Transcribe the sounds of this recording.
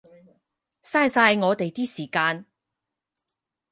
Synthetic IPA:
saː˧jsaː˧jŋɔː˨˧t̪e˨jt̪iː˥siː˨˩kaː˧n

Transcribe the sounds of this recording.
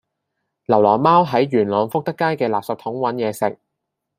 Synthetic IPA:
lɐ˨˩wlɔː˨˩maː˥wɦɐ˨˥jɥyː˨˩nlɔː˨˧ŋfʊ˥k̚t̪ɐ˥kːaː˥jkɛː˧laː˨p̚sɐ˧t̪ʰʊ˨˥ŋwɐ˨˥njɛː˨˧sɪ˨k̚

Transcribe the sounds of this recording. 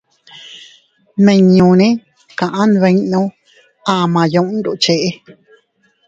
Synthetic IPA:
mẽ˨ɲũ˨nẽ˦ | kã˨ʔã˦n˧βẽ˧˦nõ˦ | ã˧˨mã˨jõ˧˦ʔn˦d̪u˨ʔt͡ʃe˧ʔe˦

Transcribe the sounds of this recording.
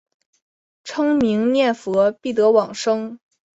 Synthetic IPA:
ʈ͡ʂʰɤ˥ŋmi˧˥ŋnjɛ˥˩nfɤ˧˥pi˥˩t̪ɤ˧˥wɑ˨˩ŋʂɤ˥ŋ

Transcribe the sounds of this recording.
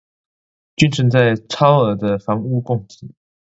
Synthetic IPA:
t͡ɕy˥nʈ͡ʂʰə˧˥ŋt͡sa˥˩ɪʈ͡ʂʰɑ˥ʊə˧˥d̪ə˧fɑ˧˥ŋu˥˧kʊ˥˩ŋt͡ɕ̩˨˦

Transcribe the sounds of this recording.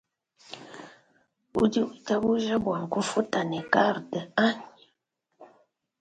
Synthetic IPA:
u˦di˦u˨ta˦bu˦ʒə˦bwa˨ŋ˨ku˦fu˦ta˨ne˨ka˦˨ɾtə˨a˦n

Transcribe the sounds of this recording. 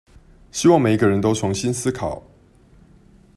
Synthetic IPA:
ɕi˦˥wɑ˥˨ŋme˨˩ɪi˧ɡə˧ɻə˧˦nt̪o˥ʊt͡sʰʊ˧˥ŋɕi˦nsɹ̩˥kʰɑ˨˩˦ʊ

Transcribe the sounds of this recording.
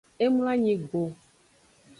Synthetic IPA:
e˦mũ˦la˦ɲĩ˨ɡ͡bo˨

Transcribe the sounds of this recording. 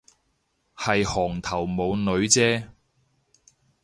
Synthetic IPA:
hɐ˨jhɔː˨˩ŋt̪ʰɐ˨˩wmo˨˧wnɵ˨˧ɥt͡sɛː˥

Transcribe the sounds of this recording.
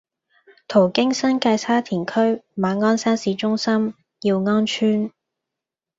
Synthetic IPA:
t̪ʰo˨˩wkɪ˥ŋsɐ˥nkaː˧jt͡sʰaː˥t̪ʰiː˨˩nkʰɵ˥ɥmaː˨˧ŋɔː˥nsaː˥nsiː˨˧t͡ʃʊ˥ŋsɐ˥m | jiː˧wŋɔː˥nt͡ʃʰyː˥n

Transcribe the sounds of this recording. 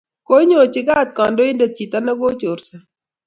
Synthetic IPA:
ko˦ɲo˨t͡ʃɪ˦ɡa˦˨t̪̚kɔ˨ndo˦ɪ˦nda˨t͡ʃi˨t̪a˦na˦ɡo˦t͡ʃo˨ɾsa˨

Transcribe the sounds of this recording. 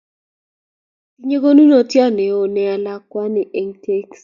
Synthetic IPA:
i˨˦ɲe˦ɡo˦nu˦no˦tjɔ˦ne˨o˨nɛ˨a˨la˦kwa˦nɪ˨ʔe˨ŋtʰe˦ks

